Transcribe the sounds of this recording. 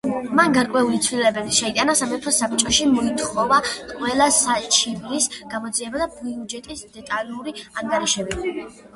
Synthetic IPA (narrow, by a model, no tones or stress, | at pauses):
manɡaɾkʼwɛulit̪sʰvlilɛbɛbiʃɛit̪ʼanasamɛɾpʰɔsap̚t͡ʃʼɔʃimɔit̪ʰχɔvaqʼwɛlˠasat͡ʃʰivɾisɡ̥amɔd̪ziɛbad̪abiud͡ʒɛt̪ʼisd̪ɛt̪ʼalˠuɾiaŋɡaɾiʃɛbi